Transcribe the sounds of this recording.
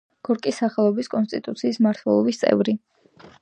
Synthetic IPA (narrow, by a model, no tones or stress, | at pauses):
ɡ̥ɔɾkʼisːaχɛlˠɔbiskʼɔnst̪ʼit̪ʼut̪sʰiːsmaɾt̪ʰwɛ̰lˠɔbist̪sʼɛ̰vɾi